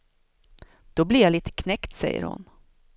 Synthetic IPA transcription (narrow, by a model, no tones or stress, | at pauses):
d̪̥ɔblɪɾjaliːt̪ʰə̥kʰnɛkt̪sɛjːə̰ɾhʊ̰n